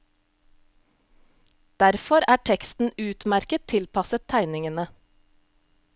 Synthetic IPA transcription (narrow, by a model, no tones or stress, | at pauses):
d̪̥æɾfɔɾæːʈʰɛkst̪n̩ʉːt̪mæɾkətt̪ʰɪlpɑsət̪ʰæɪnɪŋənə